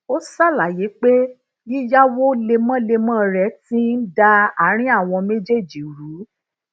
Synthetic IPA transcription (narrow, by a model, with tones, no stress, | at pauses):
o˦sa˦˨la˨je˨˦k͡pe˦ | i˦ja˦wo˦le˧mã˦le˧mã˦˨ɾɛ˨˦tĩ˦n̩˦da˧a˨˦ɾ̃ĩ˦a˦˨w̃ɔ̃˧me˦d͡ʒe˦˨d͡ʒi˨ɾu˨˦